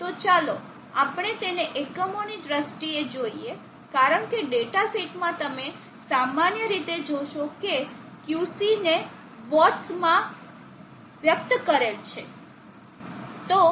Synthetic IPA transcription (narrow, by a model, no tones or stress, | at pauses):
t̪ot͡ʃalo | apɳ̃et̪eneʔekəmonidɾəsʈied͡ʒoie | kaɾəɳkeɖeʈasiʈmãt̪əme | samanjəɾit̪ed͡ʒoʃoke | kjusine | ʋɔtsmã | ʋjək̚t̪kəɾelt͡ʃʰḛ | t̪o